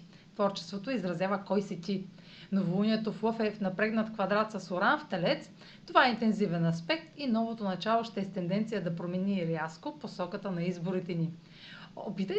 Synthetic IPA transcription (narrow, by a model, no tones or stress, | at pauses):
t̪vɔɾt͡ʃɛ̥st̪vot̪oizɾɐzʲjavəkɔjsɛt̪ʲi | novˠunʲiɛt̪oflˠɤfɛfnɐpɾɛɡnɐt̪kvɐd̪ɾat̪sɐsoɾanft̪ɛlɛt̪s | t̪ovaɛint̪ɛnzivɛnɐspɛk̚t̪inɔvot̪onɐt͡ʃalˠoʃt̪ɛɛst̪ɛnd̪ɛnt̪sijəd̪ɐpɾomɛniɾjaskoposɔkət̪ənɐizboɾit̪ɛni | ɔpit̪ə